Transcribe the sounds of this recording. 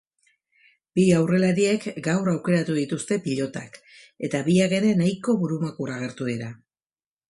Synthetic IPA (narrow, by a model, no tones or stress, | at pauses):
b̥iawre̞laɾie̞kɡawrawke̞ɾat̪uðit̪ust̪e̞piʎo̞t̪a̰k | e̞t̪aβiake̞ɾe̞najko̞βuɾumakuraɣ̞e̞ɾt̪ue̞ɾa